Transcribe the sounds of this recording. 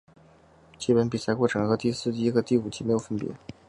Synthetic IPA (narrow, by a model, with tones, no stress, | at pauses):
t͡ɕi˥˩pə˧˥npi˨˩sa˥ɪkwɔ˥˩ʈ͡ʂʰɤ˧˥˩ŋxɤ˧˥t̪i˥˧sɹ̩˥˩˥i˧˥ɡə˧t̪i˥˩u˨˩t͡ɕʰi˧˥m˧˥jo˨˩ʊfə˥˩npjɛ̰˧˥